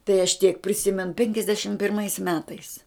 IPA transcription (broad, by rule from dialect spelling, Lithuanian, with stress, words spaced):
tɐɪ ɐʃ tʲiɛk pʲrʲɪˈsʲɪmʲɛn pʲɛŋʲkʲɛzʲˈdʲæːʃʲɪm pʲɪrˈmɐɪs ˈmʲæːtɐɪs